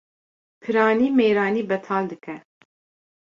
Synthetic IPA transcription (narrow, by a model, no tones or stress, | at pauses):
pʰɨɾɑːniːmeːɾɑːniːbɛt̪ʰɑːld̪ɨkɛ